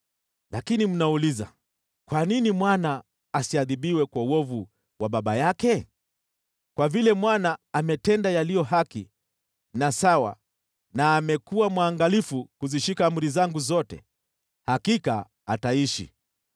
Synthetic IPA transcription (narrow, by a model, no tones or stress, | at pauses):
lʔakinim̩nauliza̰ | kwaninimwanaː | siaðiɓiwɛkwauɔvu | waɓaɓajakɛ | kwavilɛmwanaːmɛtɛndajalijɔɦakḭ | nasawa̰ | naːmɛkuwamwaːŋɡalifukuziʃikaːm̩ɾizaŋɡuzɔtɛ̰ | hakika | ataiʃḭ